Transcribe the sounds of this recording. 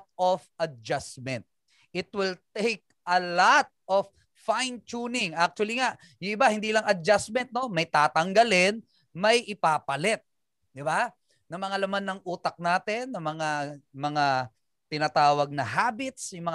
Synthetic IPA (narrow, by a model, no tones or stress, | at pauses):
t̪̚ofɐd͡ʒasmɛ̃nt̪̚ | ʔɪt̪wɪlt̪ejk̚ʔɐlat̪̚of | fajnt͡ʃunɪŋʔak̚t͡ʃʊwɐliŋaʔ | jʊŋɪbahɪnd̪iːlɐŋɐd͡ʒasmɛnt̪̚no̞mɐjt̪aːt̪ɐŋɡɐlɪn | mɐjʔɪpaːpɐlɛt̪̚ | d̪ɪba | nɐmɐŋalɐmanːɐŋʔuːt̪ɐk̚naːt̪ɪnːɐmɐŋamɐŋa | t̪ɪnaːt̪aːwɐɡ̚nɐɦaːbɪt̪̚sjʊŋmɐŋ